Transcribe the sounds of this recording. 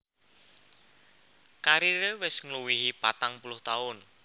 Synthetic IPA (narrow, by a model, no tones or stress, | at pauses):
kaɾiɾewɪsŋluwiɦipat̪aŋpulʊht̪aʊn